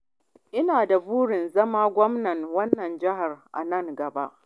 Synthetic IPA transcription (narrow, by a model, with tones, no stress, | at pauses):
ʔɪ˦naː˨da˨buː˦ɽɪ˨nzɐ˦maː˦ɡʷɔ˦mnɐ˨ŋwɐ˦nːɐ˨nd͡ʒɪ˦ɦa˨rʔa̰˨nɐ˦ŋɡɐ˨ba̰˦ʔ